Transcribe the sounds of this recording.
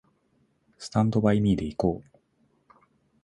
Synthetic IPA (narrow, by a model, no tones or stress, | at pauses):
sɨ̥t̪ãnt̪o̞baimʲiːd̪e̞iko̞ː